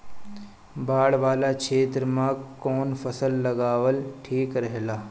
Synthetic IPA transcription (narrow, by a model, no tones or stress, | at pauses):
baːɽʋaːlakʰeːt̪ɾəmãkɔːnfɐsəlːɐɡaːʋəlʈʰiːkɾɐɦlaː